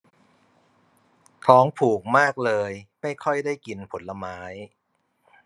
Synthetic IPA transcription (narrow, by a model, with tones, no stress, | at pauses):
t̪ʰɔː˦˥ŋpʰuː˨˩k̚maː˥˩k̚lɤː˧jma˥˩jkʰɔ˥˩jdaː˥˩jki˧npʰo˩˦nla˧maː˦˥j